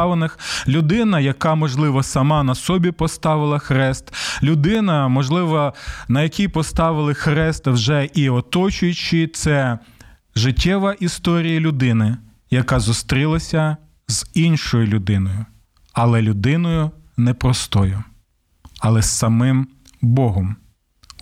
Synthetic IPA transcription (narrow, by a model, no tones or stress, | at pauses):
ʋenɪxlʲʊd̪ɪnɐjɐkɑmɔʒlˠɪʋɔsɐmɑnɐsɔbʲipɔst̪ɑʋɪlˠɐxɾɛst̪lʲʊd̪ɪnɐmɔʒlˠɪʋɔnɐjɐkʲijpɔst̪ɑʋɪlˠɪxɾɛst̪wʒɛʔiɔt̪ɔt͡ʃʊjʊt͡ʃit̪sɛ | ʒɪtʲːɛʋɐʔist̪ɔɾʲijɐlʲʊd̪ɪnɪ | jɐkɑzʊst̪ɾʲilˠɐsʲɐ | zinʃɔjʊlʲʊd̪ɪnɔjʊ | ɐlˠɛlʲʊd̪ɪnɔjʊnɛpɾɔst̪ɔjʊ | ɐlˠɛsːɐmɪm | bɔɦɔm